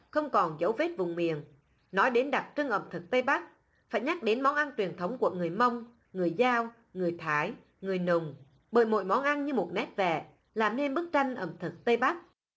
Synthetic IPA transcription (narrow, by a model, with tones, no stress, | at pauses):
xə˧wŋ͡mkɔ˨˩nzə˨˦wve˦˥t̚vʊ˨˩ŋ͡mmḭ˧˨ən | nɔ˨˦jɗe˨˦nɗa˨˩t̚t͡ɕɨ˧ŋʔə˧˩mt̪ʰɨ˨˩k̚t̪ə˧jɓa˦˥k̚ | fa̰ː˧˩jɲa˦˥k̚ɗe˨˦nmɔ˨˦nʔa˧nt͡ɕwi˨˩ənt̪ʰə˨˦wŋ͡mku˧˩əŋɨ˨˩əjmə˧wŋ͡m | ŋɨ˨˩əjzaː˧w | ŋɨ˨˩əjt̪ʰaː˨˦j | ŋɨ˨˩əjnʊ˨˩ŋ͡m | ɓəː˧˩jmo̰˧˨jmɔ˨˦nʔa˧nɲɨ˧mo˨˩t̚nɛ˦˥t̚vɛ̰˧˨ | laː˨˩mne˧nɓɨ˦˥k̚t͡ɕa˧jŋ̟ʔə̰˧˩mt̪ʰɨ˨˩k̚t̪ə˧jɓa˦˥k̚